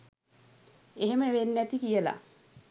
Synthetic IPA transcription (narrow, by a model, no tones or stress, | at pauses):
eɦeməʋenːæt̪ikijəla̰